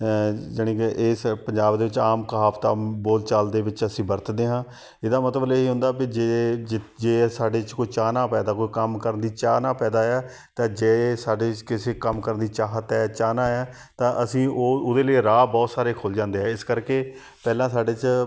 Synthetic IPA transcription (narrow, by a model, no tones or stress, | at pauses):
d͡ʒənĩːkeʔɪːspəɲd͡ʒaːbd̪eːʋɪt͡ʃaːmkəɦaːpt̪aːboːlt͡ʃaːld̪eːʋɪt͡ʃəsĩːbəɾt̪d̪eːɦãː | ɪd̪aːmət̪ləbleːɦiːɦʊ̃nd̪aːkɪd͡ʒe | d͡ʒeːsaːɖeːt͡ʃkoiːt͡ʃaːnaːpɛːd̪aːkoːikəmkəɾənd̪iːt͡ʃaːnaːpɛːd̪aːɛː | t̪ãːd͡ʒeːsaːɖeːt͡ʃkɪseːkəmkəɾənd̪iːt͡ʃaːɦət̪ɛːt͡ʃaːnãːɛː | t̪ãːʔəsĩːoʊd̪eːleiɾaːbɔːt̪saːɾeːkʰʊld͡ʒãːnd̪eːɦɛːɪskəɾkeː | pɛːlãːsaːɖeːt͡ʃ